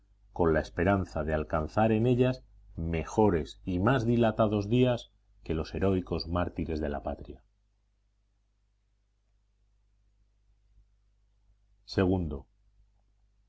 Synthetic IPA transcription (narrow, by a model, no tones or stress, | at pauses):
ko̞nlae̞spe̞ɾanθaðealkanθaɾe̞ne̞ʎas | me̞xo̞ɾe̞simazðilat̪aðo̞zðias | ke̞lo̞se̞ɾo̞iko̞zmaɾt̪iɾe̞zðe̞lapat̪ɾja | se̞ɣ̞und̪o̞